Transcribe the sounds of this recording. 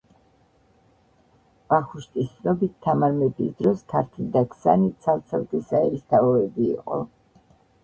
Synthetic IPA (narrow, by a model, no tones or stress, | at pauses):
v̥aχuʃt̪ʼist̪nɔbit̪ʰːamaɾmɛbisd̪ɾɔskʰaɾt̪ʰind̪akʰsa̰nit̪sʰalˠt̪sʰalt̪ʼɛsaɛɾist̪ʰavɔɛbḭːqʼɔ̰